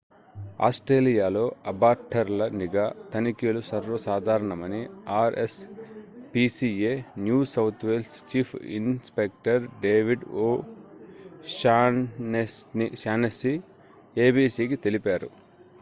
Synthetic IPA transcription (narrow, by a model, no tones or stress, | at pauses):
a̰ːsʈɾeːlijaːlo̞ːɐbaːɾʈʰɐɾlɐniɡaːt̪ɐnikilusɐɾʋɐsaːd̪ʱaːɾɐɳɐmɐniaːɾes | piːsienjuːsɐwt̪ʰʋeːlst͡ʃiːpʰḭnspek̚ʈɐɾɖeːʋiɖoː | ʃaːesniʃaːnesi | eːbiːsiːkit̪e̞lipaːɾṵ